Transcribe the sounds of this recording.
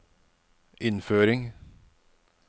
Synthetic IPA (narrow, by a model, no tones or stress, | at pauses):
ʔɪnføːɾɪŋ